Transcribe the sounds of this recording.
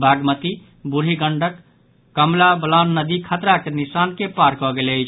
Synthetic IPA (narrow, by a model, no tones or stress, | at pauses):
bʱaɡmət̪i | buɾ̤iɡəɳɖəkː | əmlabəlanːəd̪ikʰət̪ɾakenisankepaɾkɔɡeləjt͡ʃʰ